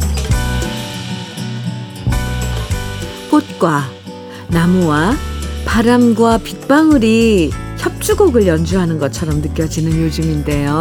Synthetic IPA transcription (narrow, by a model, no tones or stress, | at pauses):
k͈ot̚k͈wa | namuwapaɾamɡwapik̚p͈aŋɯɾiçʰjʌp̚t͡ɕ͈uɡoɡɯɭjʌnd͡ʑuɦanɯnɡʌt͡ɕʰʌɾʌmnɯk͈jʌd͡ʑinɯnjod͡ʑɯminde̞jo